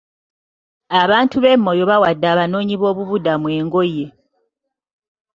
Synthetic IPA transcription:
aβaːntuβe̞mːo̞jo̞βawadːaːβano̞ːɲiβo̞ːβuβudamwe̞ːŋɡo̞je̞

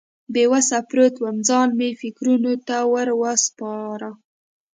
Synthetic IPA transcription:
bewasapɾot̪wamd͡zɑnmefɪkɾunot̪awəɾwəspɑɾa

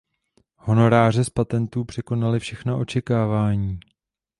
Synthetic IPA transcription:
ho̞no̞ɾaːr̝ɛspat̪ɛnt̪uːpr̝̥ɛko̞nalɪfʃɛxnaʔo̞t͡ʃɛkaːvaːɲiː

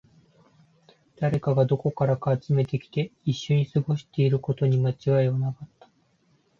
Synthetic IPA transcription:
d̪̥aɾe̞kaɡad̪o̞ko̞kaɾakaːt͡sɨme̞t̪ekʲi̥t̪e̞iɕːo̞ɲ̟isɨɡo̞ɕi̥t̪e̞iɾɯ̟ko̞t̪o̞ɲ̟imat͡ɕiβaianakat̪ːḁ

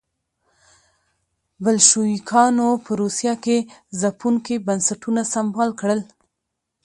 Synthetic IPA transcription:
bəlʃoikʰɑnopəɾosjɑkezapuŋkibansaʈunasambɑlkɽəl

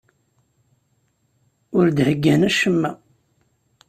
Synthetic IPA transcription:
ʊɾd̪həɡːænæʃəmːæ

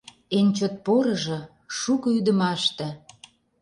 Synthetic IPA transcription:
enʲt͡ɕot̪̚poɾɤ̆ʒɤ̆ | ʃukɤ̆yd̪ə̆mɑʃt̪ĕ

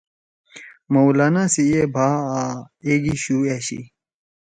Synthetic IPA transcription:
mowlanasiebʱaːa | eɡiɕuːeɕḭ

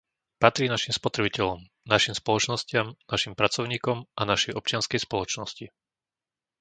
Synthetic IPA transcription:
pat̪ɾiːnaʃimspɔt̪ɾɛbicɛlɔm | naʃimspɔlɔt͡ʃnɔscɪamnaʃimpɾat͡sɔʊɲiːkɔmʔanaʃɛjɔp̚t͡ʃɪanskɛjspɔlɔt͡ʃnɔsci

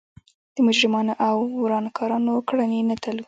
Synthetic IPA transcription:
d̪̥əmʊd͡ʒɾɪmɑnoʔawɾɑnkʰɑɾɑnokɽanenat̪alu

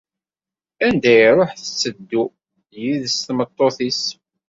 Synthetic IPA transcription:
ænd̪æjɾˤoħθət͡sːəd̪ːu | jiðəst̪mət̪ˤːoθis

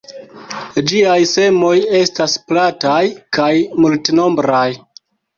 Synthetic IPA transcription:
d͡ʒiajse̞mo̞je̞stasplatajkajmultno̞mbɾaj

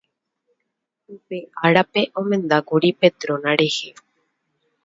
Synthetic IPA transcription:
upeaɾape̞ʔõmẽ̞nd̪akuɾipe̞t̪ɾõnãɾe̞he

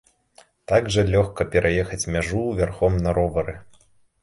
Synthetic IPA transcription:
t̪aɡʐɐlʲɔxkɐpʲɛɾʔajɛxɐt͡sʲmʲaʐuvʲarxɔmnɐɾɔvɐɾɨ

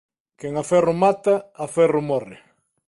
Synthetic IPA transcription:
keŋafɛrʊmat̪ɐafɛrʊmɔrɪ̰

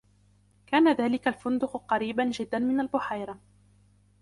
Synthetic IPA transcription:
kaːnaðaːlɪkalfʊnd̪ʊqqɑɾiːbanʒɪd̪ːanmɪnalbʊħajɾɑ

